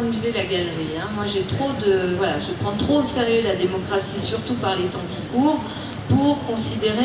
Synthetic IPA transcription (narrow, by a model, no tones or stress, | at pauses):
myzelaɡalʁiɛ̃mwaʒɛt̪χod̪əvwalaʒəpχɑ̃t̪χoseʁjølad̪emɔkχasisyʁt̪upaʁlet̪ɑ̃kʲikuːʁ | puʁkɔ̃sid̪eʁe